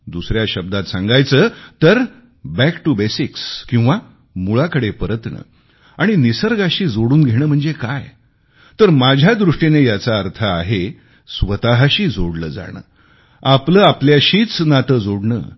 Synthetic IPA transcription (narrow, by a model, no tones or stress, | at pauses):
d̪usɾjaɕəb̚d̪at̪sãŋɡajt͡səːt̪əɾ | bækʈubesikskĩw̃ʋa | muɭakəɽepəɾət̪nə̰ː | aɽ̃inisəɾɡaɕiːd͡zoɽuːnɡʱeɽ̃əːm̤əɳd͡zekaj | t̪əɾmad͡ʑʱjad̪ɾuʂʈinejat͡saəɾt̪ʰəaɦe | sʋət̪aɦaɕiːd͡zoɽlə̰ːd͡za̰ɽ̃ə̰ː | apləːapljaɕiːt͡snat̪əːd͡zoɽɳə̰ː